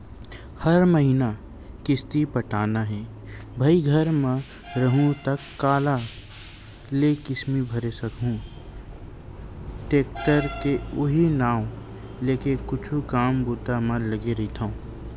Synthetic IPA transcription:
hɐɾməɦina | kɪst̪ipɐʈaːnaɦɛ̃ː | bʱɐiɡʱɐɾmə̃ | ɾɐɦũt̪ɐkːaːla | lekɪsmibʱɐɾesɐkɦũ | ʈeːk̚ʈ̪əɾkeʊɦinaːw | leːkekʊt͡ʃʰukaːmbuːt̪aməlɐɡeɾɐɦit̪ʰãõː

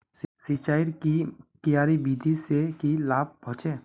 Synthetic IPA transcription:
sit͡ʃaːɪɾkikijaːɾibiːd̪ʱisekilaːb̚bʱɔt͡ʃeː

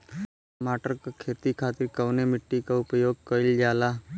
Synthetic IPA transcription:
maːʈəɾkakʰeːt̪ikʰaːt̪ɪɾkɐʊnemɪʈːikaʊpəjoːɡ̚kəld͡ʒaːlaː

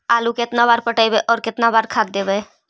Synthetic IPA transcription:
aːlukɪt̪nabaːɾpəʈaːibeʔɔːɾkɪt̪nabaːɾkʰaːt̪̚d̪eːbe

